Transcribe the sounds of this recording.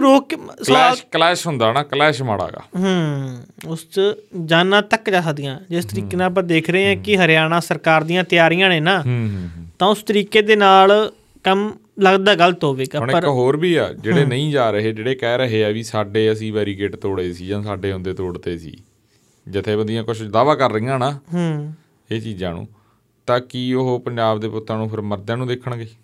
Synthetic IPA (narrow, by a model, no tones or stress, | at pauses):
ɾoːksklɛːʃɦʊnd̪aːnaːkəlɛːʃmaːɽa̰ːɡa̰ːɦəːʊst͡ʃd͡ʒaːnãːt̪əkːd͡ʒaːsəkd̪ijãːd͡ʒɪst̪əɾiːkeːnãːp̬ãːd̪eːkʰɾəeːãːkɪɦəɾɪjaːñãːsəɾkaːɾd̪ijãːt̪ɪjaːɾijãːneːnãːɦt̪ãːʊst̪əɾiːkeːd̪eːnaːl | kəm | ləɡd̪aːɡəlt̪ɦoːʋeːɡaːənəɾɦoːɾbiːa̰ːd͡ʒeːɽeːnəĩːd͡ʒaːɾəɦeːd͡ʒeːɽeːkɛːɾəɦeːɛːʋiːsaːɖeːəsĩːʋɛːɾiːɡeːʈt̪oːɽeːsiːd͡ʒãːsaːɖeːʊ̃nd̪eːt̪oːɽt̪eːsḭː | d͡ʒɪt̪ʰːeːbənd̪ɪjãːkʊʃt͡ʃd̪aːʋaːkəɾːəĩːãːnaːɦ | eːt͡ʃiːzãːnṵ̃ː | t̪ãːkiːʊɦopəɲd͡ʒaːbd̪eːpʊt̪ːãːnũːpʰɪɾməɾd̪jãːnũːd̪ekʰːəɳɡeiː